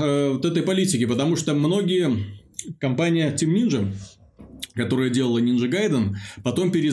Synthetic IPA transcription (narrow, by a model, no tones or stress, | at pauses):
vot̪ɛt̪əjpɐlʲitʲɪkʲɪpət̪ɐmuʂt̪əmno̞ɡʲɪjəkɐmpanʲɪjətʲɪmnʲinʐɨ | kɐt̪o̞ɾəjədʲe̞lˠəlˠənʲinʐɨɡajd̪ənpɐt̪o̞mpʲɪɾʲɪ